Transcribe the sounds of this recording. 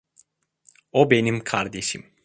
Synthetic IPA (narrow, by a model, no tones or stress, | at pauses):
obe̞nimkʰaɾd̪eʃim